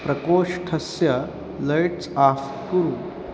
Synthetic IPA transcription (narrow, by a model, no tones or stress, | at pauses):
pɾɐkoːʂʈʰɐsjɐ | lɐjʈt͡saf | kuɾu